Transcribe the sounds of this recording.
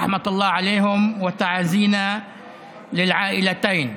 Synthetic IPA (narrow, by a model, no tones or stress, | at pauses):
ħmat̪ɑlˤːɑːʕaleːɦɪmwɪt̪aʕaziːna | lɪlʕaːʔɪlat̪aːn